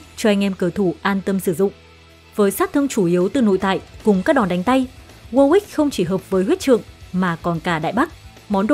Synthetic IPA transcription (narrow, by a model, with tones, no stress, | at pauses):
t͡ɕɔ˧ɛ˧jŋ̟ʔɛ˧mkəː˧˩t̪ʰu˧˩ʔaː˧nt̪ə˧msɨ˧˩zʊ̰˧˨ŋ͡m | vəː˨˦jsaː˦˥t̚t̪ʰɨ˧əŋt͡ɕu˧˩ʔi˨˦əwt̪ɨ˨˩no̰˧˨jt̪a̰ː˧˨jkʊ˨˩ŋ͡mkaː˦˥k̚ɗɔ˨˩nɗa˨˦ŋ̟t̪a˧j | ɣə˧wʔi˦˥k̚xə˧wŋ͡mt͡ɕi˧˩ɦəː˨˩p̚vəː˨˦jɦwi˦˥t̚t͡ɕɨ̰˧˨əŋmaː˨˩kɔ˨˩nkaː˧˩ɗa̰ː˧˨jɓa˦˥k̚ | mɔ˨˦nɗo˧˨